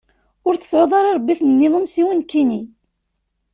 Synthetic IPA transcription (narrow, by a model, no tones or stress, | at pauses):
ʊɾθə̥sʕoðˤɑɾˤɑɾˤbːiθnnːɪðˤənsiwənkːini